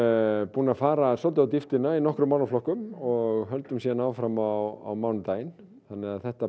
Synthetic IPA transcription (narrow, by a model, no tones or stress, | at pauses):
puːnafaːɾasɔlt̪̬ʏawt̪ift̪ɪnainɔhkɾʏmawnaflɔhkʏmɔɣɦœlt̪ʏmsɛðanaːwfɾamawa̰wmawnʏmt̪aːjɪn | θanːɪɣaðθɛht̪a